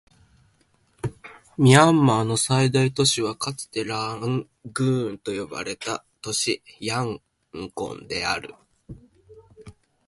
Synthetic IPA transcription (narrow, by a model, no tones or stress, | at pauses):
mʲiãmːaːno̞said̪ait̪o̞ɕiβ̞akat͡sɨ̥t̪e̞ɾaŋ | ɡɯ̟ːnt̪o̞jo̞ba̰ɾe̞t̪a | t̪o̞ɕijãŋ | kõ̞̰nd̪e̞a̰ɾɯ̟̰